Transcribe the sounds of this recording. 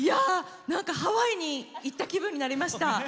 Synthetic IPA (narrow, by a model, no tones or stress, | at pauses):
ijanãŋkahaβaiɲ̟iːt̪ːakʲibɯ̟̃ɲ̟ːinaɾʲimaɕii̥t̪a